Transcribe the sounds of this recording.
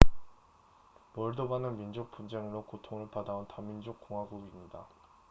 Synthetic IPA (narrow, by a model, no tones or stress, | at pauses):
mʌɭdobanɯnmind͡ʑok̚p͈und͡ʑeŋɯɾokotʰoŋɯɭpadaontamind͡ʑok̚k͈oŋɦwaɡuɡimɲida